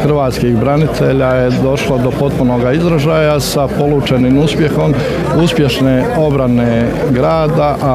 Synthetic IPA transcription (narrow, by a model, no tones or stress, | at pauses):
xrʋaːt̪skixbɾanit̪ʰe̞ʎaje̞d̪o̞ʃlod̪o̞po̞t̪̚puno̞ːɡaizɾaʒajasapo̞lˠuːt͡ʃenimuspje̞xo̞m | uspje̞ʃne̞o̞bɾane | ɡɾaːd̪aʔa